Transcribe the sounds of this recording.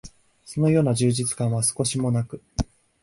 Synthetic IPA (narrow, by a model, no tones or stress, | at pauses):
so̞no̞jo̞ːnaʑɨːʑit͡sɨ̥kãɰ̃βasɨ̥ko̞ɕimo̞nakɯ̟